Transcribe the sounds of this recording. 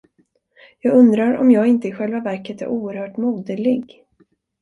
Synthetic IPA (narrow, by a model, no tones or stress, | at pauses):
jɑːɡɵnd̪ɾaɾɔ̰mjɑːɡɪnt̪əɪɧɛlvavæɾkət̪æ̰ɾʔuːəɾhœːʈmuːd̪əlɪɡ